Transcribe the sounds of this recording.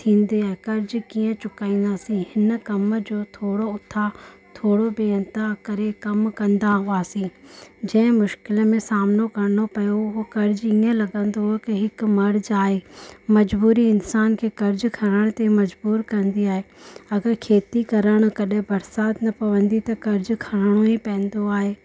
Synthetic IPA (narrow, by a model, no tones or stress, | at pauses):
t̪ʰĩːnd̪iaːɦekɐɾd͡ʑkiːə̃t͡ɕʊkaːĩːn̆d̪aːsĩhɪn̆kɐməd͡ʑoːt̪ʰoːɽoʊt̪ʰːat̪ʰoːɽobeːənt̪akɐɾekɐmkɐ̃nd̪aɦuaːsĩd͡ʑɐ̃ɦɪ̃mʊʃkɪləmẽsaːmnokɐɾɪnopɐjoɦokɐɾd͡ʑĩːə̃lɐɠə̃nd̪oɦkɪɦɪkmɐɾd͡ʑaːɦeːmɐd͡ʑbuːɾiɪnsaːnkʰeːkɐɾd͡ʑkʰɐɾəɽ̃t̪emɐd͡ʑbuːɾkɐ̃nd̪iaːɦeɐɡəɾkʰeːt̪ikɐɾəɽ̃ʊ̆kɐɗɦɪ̃bɐɾsaːt̪nɐpɐʋə̃nd̪it̪ɐkɐɾd͡ʑkʰɐɾəɽ̃oĩpɐ̃nd̪oaːɦeː